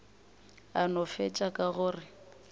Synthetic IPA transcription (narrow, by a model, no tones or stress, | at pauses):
anɔfɛt͡ʃʼakʼaɣʊːrɪ